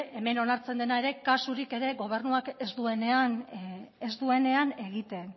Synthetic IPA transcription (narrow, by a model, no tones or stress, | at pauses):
e̞me̞no̞naɾt͡se̞nd̪enae̞ɾe̞kasuɾike̞ɾe̞ɣo̞β̞e̞ɾnuakezd̪ue̞ne̞anezd̪ue̞ne̞ane̞ɣ̞it̪e̞n